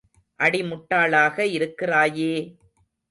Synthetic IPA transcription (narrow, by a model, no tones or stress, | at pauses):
ʔɐɽɪmʊʈːaːɭaːɣɐɪɾɯkːɪraːjeː